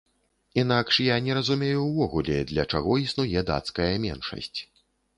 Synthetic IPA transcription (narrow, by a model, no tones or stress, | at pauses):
inakʂjanʲɛɾɐzumʲɛjuːvɔɣulʲɛd̪lʲɐt͡ʂaɣɔisnujɛd̪a̰t̪skɐjɐmʲɛnʂɐ̰sʲt͡sʲ